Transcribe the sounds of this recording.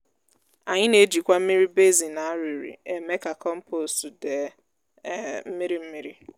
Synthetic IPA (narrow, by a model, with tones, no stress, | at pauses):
a˨ɲɪ˦ne˦d͡ʒi˨kʷa˦m̩˦mi˦ɾi˦be˦zi˨na˨a˦ɾi˨ɾḭ˨e˨me˦ka˨kɔ˦m̩˦pʰo˨su˨de˨˦ | m̩˦mi˦ɾi˦m̩˦mi˦ɾi˦